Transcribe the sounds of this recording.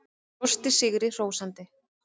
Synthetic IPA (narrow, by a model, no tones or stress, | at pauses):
ɔst̪ɪsɪɣɾɪr̥oːwsant̪ɪ